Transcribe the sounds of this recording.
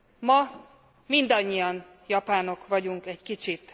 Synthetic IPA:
mɒ | mind̪ɒɲːijɒn | jɒpaːno̞kʋɒɟuŋkɛɟkit͡ʃit̪

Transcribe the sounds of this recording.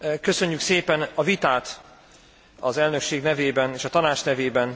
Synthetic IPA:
kø̞sø̞ɲːykseːpɛnɒvit̪aːt̪ | ɒzɛlnø̞kʃeːɡnɛveːbɛneːʃɒt̪ɒnaːt͡ʃnɛveːbɛn

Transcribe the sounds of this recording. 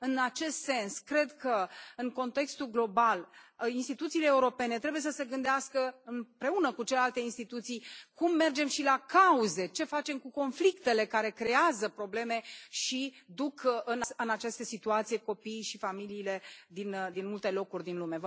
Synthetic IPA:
ɨnat͡ʃe̞st̪se̞nskɾe̞d̪kəɨŋko̞nt̪e̞kst̪ulɡlo̞balinst̪it̪ut̪siːleːuɾo̞pe̞ne̞t̪ɾe̞buje̞səse̞ɡɨnd̪easkəɨnpɾe̞unəkut͡ʃelealt̪e̞inst̪it̪ut̪sijkumːe̞rd͡ʒe̞mʃilakauze̞t͡ʃe̞fat͡ʃe̞mkuko̞nflikt̪e̞le̞kaɾe̞kɾe̞azəpɾo̞ble̞me̞ʃid̪ukɨnaɨnat͡ʃest̪esit̪uat̪sijeko̞piːʃifamiliːle̞d̪ind̪inmult̪e̞lo̞kurʲd̪inlume̞v

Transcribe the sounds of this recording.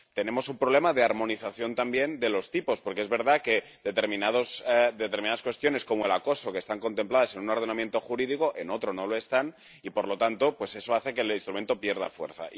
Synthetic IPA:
t̪e̞ne̞mo̞sumpɾoβle̞maðe̞aɾmo̞niθaθjo̞nt̪ambje̞nd̪e̞lo̞st̪ipo̞spo̞ɾkeezβe̞ɾðake̞ | ðet̪eɾmĩnaðosd̪e̞t̪eɾmĩnaðaskwest̪jone̞sko̞moe̞lako̞so̞kest̪aŋko̞nt̪e̞mplaðase̞nunoɾð̞e̞namje̞nt̪oxuɾiðiko̞ʔeno̞t̪ɾono̞loe̞st̪an | ipo̞ɾlo̞t̪ant̪o̞pwe̞se̞so̞aθe̞ke̞linst̪ɾument̪o̞pje̞ɾð̞a̰fwe̞ɾθa̰ʔ

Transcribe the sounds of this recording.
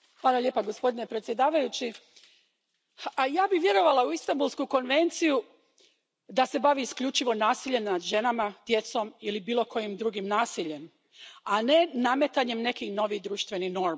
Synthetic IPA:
xʋaːlˠalʲjepaɡo̞spo̞d̪ine̞pɾet̪sje̞d̪aːʋajut͡ɕi | ajaːbiʋje̞ɾo̞ʋalauist̪ambulˠskuko̞nʋe̞nt̪siju | d̪ase̞baʋiːskʎʲut͡ʃiʋo̞naːsiʎe̞mnad̪ʒe̞namad̪̥je̞t̪so̞milibiːlˠo̞kʰo̞jimd̪ɾuːɡimnaːsiʎe̞m | ane̞name̞t̪aɲe̞mne̞kixno̞ʋid̪ɾuːʃt̪ʋe̞nixno̞ɾ

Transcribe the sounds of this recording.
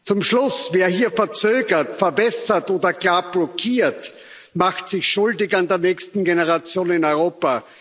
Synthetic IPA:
t͡sʊmʃlʊsveːɐhiːɐfɛɐt͡søːɡɐtfɛɐbɛsɐtoːdɐɡlaːɐb̥lɔkʰiːɐt | maxtsɪçʃʊldɪkandeːɐnɛːçstn̩ɡenəʁat͡sjoːnɪnɔʏʁoːpa

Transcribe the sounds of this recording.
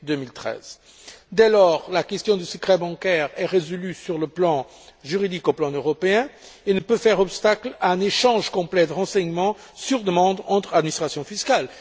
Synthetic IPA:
d̪ømilt̪χɛ̰z̥ | d̪ɛlɔʁlakʲɛst̪jɔ̃d̪ysəkχɛbɑ̃kɛʁɛʁezɔlysyʁləplɑ̃ | ʒyʁid̪ikoplɑ̃øʁɔpeɛ̃enəpøfɛʁɔpst̪aklaɛ̃neʃɑ̃ʒkɔ̃plɛd̪əʁɑ̃sɛɲmɑ̃ | syʁd̪əmɑ̃d̪ɑ̃t̪χad̪minist̪χasjɔ̃fiskal

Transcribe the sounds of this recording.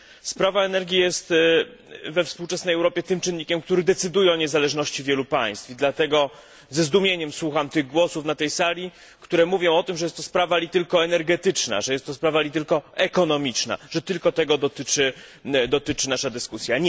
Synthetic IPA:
spɾavaɛnɛɾɡʲijɛst̪ | vɛfspuwt͡ʂɛsnɛjɛwɾɔpʲjɛt̪ɘmt͡ʂɘnːikʲɛmkt̪uɾɘd̪ɛt̪sɘd̪ujɛɔɲɛzalɛʐnɔɕt͡ɕivʲjɛlupaj̃st̪fid̪lat̪ɛɡɔ | zɛzd̪umʲjeɲɛmswuxamt̪ɘɣɡwɔsufnat̪ɛjsalʲi | kt̪uɾɛmuvʲjɔ̃w̃ɔt̪ɘmʐɛjɛst̪ːɔspɾavalʲit̪ɘlkɔɛnɛɾɡɛt̪ɘt͡ʂna̰ʐɛjɛst̪ːɔspɾavalʲit̪̬ɘlkɔɛkɔnɔmʲit͡ʂna̰ʐ̥ɛt̪ɘlkɔt̪ɛɡɔd̪ɔt̪ɘt͡ʂɘd̪ɔt̪ɘt͡ʂɘnaʂad̪ɘskusʲjaɲɛ

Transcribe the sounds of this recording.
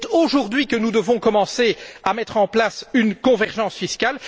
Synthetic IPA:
t̪oʒuʁd̪ɥikənud̪əvɔ̃kɔmɑ̃seamɛt̪χɑ̃plasynkɔ̃vɛʁʒɑ̃sfiskal

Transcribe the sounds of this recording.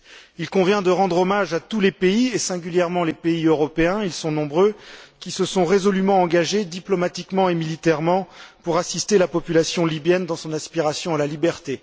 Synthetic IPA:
ilkɔ̃vjɛ̃d̪əʁɑ̃d̪ʁɔmaʒat̪ulepeiesɛ̃ɡʲyljɛʁmɑ̃lepeiøʁɔpeɛ̃ilsɔ̃nɔ̃bʁøkʲisəsɔ̃ʁezɔlymɑ̃ɑ̃ɡaʒed̪iplɔmat̪ikmɑ̃emilit̪ɛʁmɑ̃puʁasist̪elapɔpylasjɔ̃libjɛnd̪ɑ̃sɔ̃nɛspiʁasjɔ̃alalibɛʁt̪e

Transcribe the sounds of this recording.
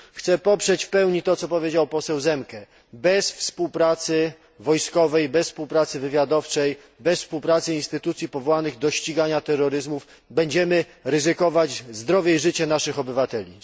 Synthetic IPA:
xt̪sɛpɔpʂɛt͡ɕfpɛwɲit̪ɔt̪sɔpɔvʲjed͡ʑawpɔsɛwzɛmkɛ | bɛsfspuwpɾat̪sɘ | vɔjskɔvɛjbɛsfspuwpɾat̪sɘvɘvʲjad̪ɔft͡ʂɛj | bɛsfspuwpɾat̪sɘinst̪ɘt̪ut̪sʲjipɔvɔwanɘɣd̪ɔɕt͡ɕiɡaɲat̪ɛrːɔɾɘzmuf | bɛɲd͡ʑɛmɘ | ɾɘzɘkɔvad͡ʑzd̪ɾɔvʲjɛiʐɘt͡ɕɛnaʂɘxɔbɘvat̪ɛlʲi

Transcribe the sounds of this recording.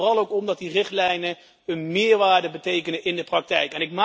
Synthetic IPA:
rɑlˠowkɔmdɑt̚dirɪχtlɛjnə | ənmɪːɹʋaːɹdəbətejkənəʔɪndəprɑk̚tɛjkɛnɪkma

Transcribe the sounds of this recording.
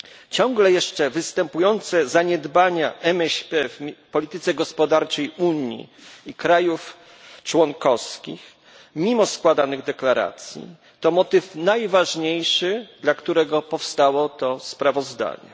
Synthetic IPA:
t͡ɕɔ̃ŋɡlɛjɛʂt͡ʂɛvɘst̪ɛmpujɔnt̪sɛzaɲɛd̪baɲaʔɛmɛɕpɛfpɔlʲit̪ɘt̪sɛɡɔspɔd̪aɾt͡ʂɛjuɲḭːkɾajuf | t͡ʂwɔŋkɔfskʲḭx | mʲimɔskwad̪anɘɣd̪ɛklaɾa̰t̪sʲjḭ | t̪ɔmɔt̪ɘfnajvaʐɲejʂɘd̪lakt̪uɾɛɡɔpɔfst̪awɔt̪ɔspɾavɔzd̪a̰ɲɛ̰

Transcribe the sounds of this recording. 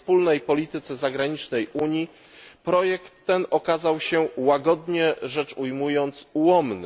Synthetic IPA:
spulnɛjpɔlʲit̪ɘt̪sɛzaɡɾaɲit͡ʂnɛjʔuɲji | pɾɔjɛkt̪ːɛnɔkazawɕɛwaɡɔd̪ɲɛʐɛt͡ʂujmujɔnt̪suwɔmnɘ

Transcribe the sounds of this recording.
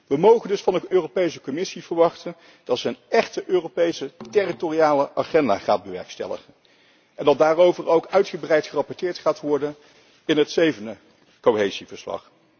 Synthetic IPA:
ʋəmowχəndɵsfɑndəøːrowpejsəkɔmɪsivəɹʋɑχtən | d̥ɑtsənɛχtəʔøːropejsəteritoriaːləʔaχɛnda̰ːχa̰ːd̚bəʋɛ̰ɹkstɛ̰lə̰χən | ɛndɑt̚daːrowvəɹowkœɥtχəbrɛjtχərɑpɔɹtɪːɹtχaːtʋɔɹdən | ɪnɦətsejvəndə | kowɦejzivəɹslɑ̰χ

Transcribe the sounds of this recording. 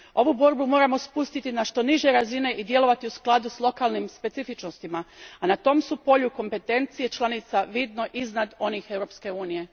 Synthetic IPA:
o̞ʋubo̞ɾbumo̞ːɾamo̞spust̪it̪inaʃt̪o̞niʒje̞ɾazine̞ʔid̪je̞lo̞ʋat̪iusklˠad̪uslˠo̞kaːlnimspe̞t̪sifit͡ʃnost̪imaanat̪o̞ːmsupo̞ʎuko̞mpe̞t̪e̞nt̪sije̞t͡ʃlˠanit̪saʋid̪no̞ʔiznad̪o̞nixe̞wɾo̞pske̞uːnije̞

